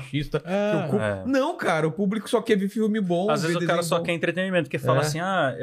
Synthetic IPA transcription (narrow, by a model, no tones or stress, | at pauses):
ʃist̪ɐaokuɛ̰nɐ̃w̃kaɾɐʊpublikʊ̥sɔkɛvifiwmɪbõazvezzʊd̪ekaɾɐsɔkɛẽnt̪ɾet̪ẽnimẽnt̪ʊ̥kefaasĩa